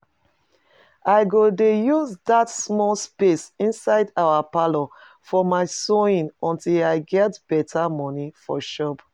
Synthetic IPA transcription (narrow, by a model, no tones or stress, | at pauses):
aɪɡodejuzdatsmɔlspesĩnsaɪdaʊapalɔ | fɔmaɪsoĩnɔ̃ntilaɪɡɛtb̥ɛtʰamɔnifɔ̰ʃɔp